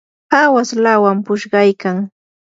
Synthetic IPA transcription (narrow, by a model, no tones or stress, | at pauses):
pawaslawampʊʃɢɑjkaŋ